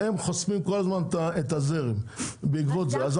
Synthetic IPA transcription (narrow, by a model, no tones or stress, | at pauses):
emχosmimkolazmant̪aet̪azeʁimbeikvot̪zeaz